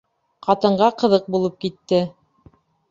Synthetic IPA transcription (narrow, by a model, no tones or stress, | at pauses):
qɑt̪ɤ̆ɴɢɑqɤ̆ðɤq̚bulˠɤp̚kit̪ːɘ